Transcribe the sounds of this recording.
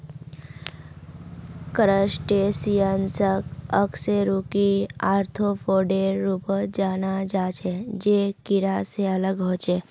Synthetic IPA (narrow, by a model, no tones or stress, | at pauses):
kəɾəsʈesijənsəkəkseɾukiaːɾt̪ʰofoɖeɾupd͡ʒanad͡ʒat͡ʃʰed͡ʒekiɾaseələɡɦoːt͡ʃe